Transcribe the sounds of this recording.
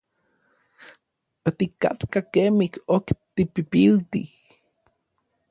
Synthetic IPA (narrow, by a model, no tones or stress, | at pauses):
ot̪ika̰t̪kakemikokt̪ipipilt̪ḭh